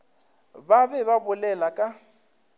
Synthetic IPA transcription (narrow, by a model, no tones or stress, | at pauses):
babɛβabʊlɛlakʼa